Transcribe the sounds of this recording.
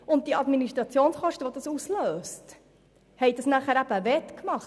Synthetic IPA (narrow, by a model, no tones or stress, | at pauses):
ʊnt̚d̥iɑdminiʃtɾʁɑt͡sjoːnsχɔʃtəʋod̥ɑsusløːst | hɛɪd̥ɑsnæχəɾæb̥əʋɛtkmɑχ